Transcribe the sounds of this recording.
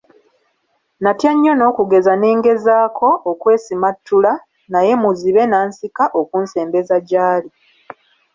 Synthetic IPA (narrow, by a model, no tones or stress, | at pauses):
natjaɲːo̞no̞ːkuɡe̞zane̞ːŋɡe̞zaːkʰo̞ʔːkwe̞ːsimatːula | naje̞muziβe̞naːnsikaʔokunse̞ːmbe̞zaɟaːli